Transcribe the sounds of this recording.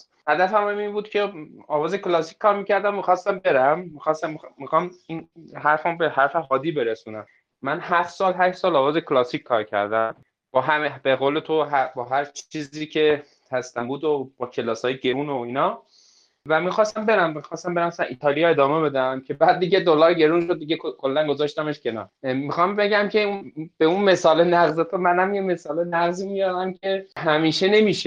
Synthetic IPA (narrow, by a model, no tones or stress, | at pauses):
hæd̪æfæmæminbuːd̪̥cʰe̞ɒːvɒːzeklɒːsi̥kʰʲkːɒːɾmiːcæɾd̪æmmixɒst̪æmbe̞ɾæmːixɒst̪æmmixɒːminɦæɾfæbehæɾfeɦɒːd̪iːbe̞ɾesuːnæmː | ænhæft̪sɒːlɦæʃsɒːlɒːvɒːzekʰlɒsicʰkʰːɒːɾcʰæ̰ɾd̪æm | b̥ɒːɦæmebeɣoːle̞t̪ʰoɦæbɒːɦæɾt͡ʃʰiːziːcʰe̞ | hæst̪æmbuːd̪ob̥ɒːkʰe̞lɒːsɒːjeɟe̞ɾuːnoiːnɒː | væmixɒːst̪æmbeɾæmmixɒːst̪æmbe̞ɾæmsænʔiːt̪ʰɒːlijɒe̞d̪ɒːme̞be̞d̪æmcʰe̞bæd̪̚d̪ːiːɟe̞d̪olɒːɾɟe̞ɾuːnʃod̪̚ːiɡekʰokʰolːænɡozɒːʃt̪æmeʃcʰenɒ̰ɾmixɒmbe̞ɟæmcʰe̞unb̥eunme̞sɒːlenæɣzet̪ʰomænæmjeme̞sɒːlenæɣziːmijɒɾæmcʲʰe̞ɦæmiːʃe̞ne̞miːʃe